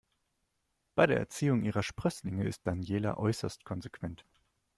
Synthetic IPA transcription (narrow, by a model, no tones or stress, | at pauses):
b̥aɪɾeːɐʔɛɐt͡siːʊŋʔiːʁɐʃpʁ̥œslɪŋəɪst̚d̥anjeːla̰ʔɔʏsɐstkʰɔnzekv̥ɛnt